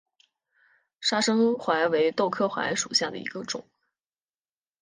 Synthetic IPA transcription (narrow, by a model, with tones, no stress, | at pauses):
ʂa˥ʂɤ˥ŋxwa˧˥ɪwe˧˥ɪt̪o˥˧ʊkʰɤ˥˩xwa̰˧˥ɪʂu˨˩ɕja˥˩d̪ə̰˩ḭ˧˥ɡə˧ʈ͡ʂʊ̰˨˩˦ŋ